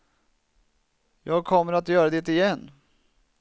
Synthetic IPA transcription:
jɑːɡ̚kʰɔmːəɾat̪jœːɾad̪ɛt̪ɪjɛnː

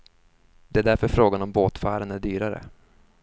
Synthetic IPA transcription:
d̪̥ɛæɖ̪æɾfœɾfɾoːɡanɔmboːt̪fæːɾənæɖyːɾaɾə̰

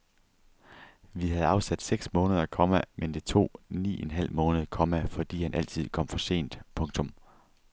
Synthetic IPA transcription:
ʋiɦæð̩ˠɑ̈ʊsæd̥seɡ̥smɔ̽ːnəð̞ˠɐkʰɒ̽mæmend̥et͡sʰo̝̰ːnḭːenɦæl̰mɔ̽ːnəð̩ˠkʰɒ̽mæfɒ̽d̥ḭːhænʔæl̰t͡sʰið̞̰ˠkʰɒ̽m̰fɒ̽se̝̰ːnd̥pʰɔ̽ŋt͡sʰɔ̽m

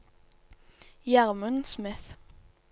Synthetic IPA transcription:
jæʁmənsmɪθ

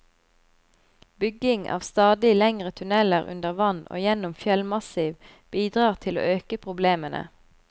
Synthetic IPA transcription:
bʏɡɪŋʔɑ̰ːʋst̪ɑːd̪ɪlɛŋʁət̪ʰʉnɛləʁʉ̰nd̪əʁʋɑno̰ːjɛnʊmfjɛlmɑsiːʋ | b̥iːd̪ʁɑːʁt̪ʰɪlo̰ːʔøːkəpʰʁʊbleːmənʔə̰

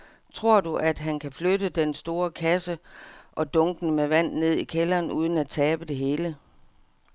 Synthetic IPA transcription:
t͡sʰʁo̝ɐ̰d̥uʔæd̥ɦænkʰæfløɾəd̥ensd̥o̝ːɐkʰæsəʔɒ̽d̥ɔ̽ŋɡ̥n̩əmeʋæn̰ne̝ð̞̰ˠikʰelɐːnuːð̞ˠn̩æt͡sʰɛːb̥əd̥e̝ɦe̝ːlə

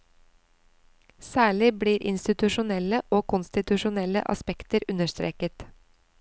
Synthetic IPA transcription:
sæːɭɪbliːɾʔɪ̰nst̪ɪt̪ʉʃʊnɛləʔoːkʰʊnst̪ɪt̪ʉʃʊnɛlə̰ʔɑ̰spɛkt̪əɾʉnəʃt̪ɾḛːkət̪

